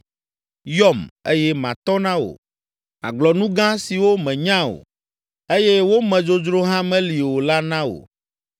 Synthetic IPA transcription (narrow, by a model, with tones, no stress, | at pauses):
jɔ˦me˦jɛ˦mã̰˨t̪ɔ˦nã˦wo̰˨ | a̰˨ɡ͡blɔ˨nũ˦ɡã˦si˨wo˦mɛ̃˨ɲã˦o̰˨ | e˦jɛ˦wo˦mɛ̃˨d͡ʒo˦d͡ʒɾo˦ɦã˦mɛ̃˦li˨wo˨la˦nã˦o̰˨